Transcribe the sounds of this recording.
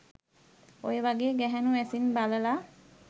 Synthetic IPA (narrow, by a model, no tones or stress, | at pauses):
o̰jbaɡeɡɛɦɛnuesinbalela